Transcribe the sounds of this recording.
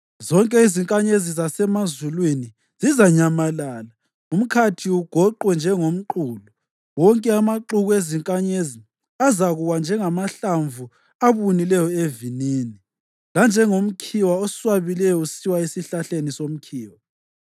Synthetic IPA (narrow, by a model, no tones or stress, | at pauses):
zɔŋkʼɛiziŋkʼaɲezizasɛmazulwini | zizaɲamalaːla | um̩kʰatʰiuɡ̥ʱɔǃwɛnd͡ʒʱɛŋom̩ǃuːlɔ | wɔŋkʼɛamaǃuɣueziŋkʼaɲezi | azaɣuwand͡ʒʱɛŋamaɬaɱvu | aβunilɛjɔeviniːni | land͡ʒʱɛŋom̩kʰiwaɔswaβilɛjɔusiwaisiɬaɬenisom̩kʰiːwa